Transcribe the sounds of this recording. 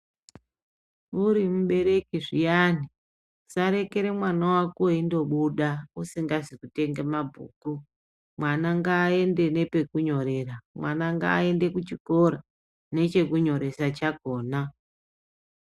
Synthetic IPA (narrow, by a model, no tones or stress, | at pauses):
uɾimuɓe̞ɾe̞kiʐijani | saɾe̞ke̞ɾe̞mwanawakoindo̞ɓuɗausiŋɡazikute̞ŋɡe̞mabʱṵːku | mwanaŋɡaːe̞nde̞ne̞pe̞kuɲo̞ɾe̞ramwanaŋɡa̰ːe̞nde̞kut͡ʃikoɾa | ne̞t͡ʃe̞kuɲo̞ɾe̞sat͡ʃaɡʱo̞ːna